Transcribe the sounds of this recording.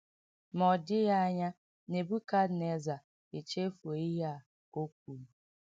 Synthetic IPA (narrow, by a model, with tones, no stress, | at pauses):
mɔ˨dɪ˦ja˦ɲa˦ | ne˨bu˦ka˦dne˨za˨ | e˨t͡ʃe˦fu˨o˨i˦ɦa˦˨ | o˦k̚ʷu˨